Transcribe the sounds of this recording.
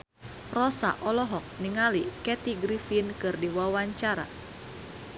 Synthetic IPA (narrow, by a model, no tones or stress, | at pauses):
rɔsa̰ʔɔlɔɦɔk̚niŋalikɛt̪iɡɾifinkɨrdiwawaɲt͡ʃaɾa̰